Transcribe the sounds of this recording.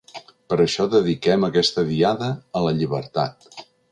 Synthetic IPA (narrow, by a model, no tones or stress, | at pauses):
pəɾəʃɔðəðikɛməkɛst̪əðiaðəːləʎiβə̰ɾt̪a̰t̪̚